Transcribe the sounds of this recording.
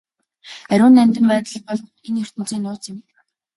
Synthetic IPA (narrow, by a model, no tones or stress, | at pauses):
æɾʲʊːnːæmʲt̪ɘ̆mpæːt̪ɮə̆χ̚pɔɮ | enjɵr̥t̪ɘ̆n̥t͡siːnːʊːt͡sɪ̆m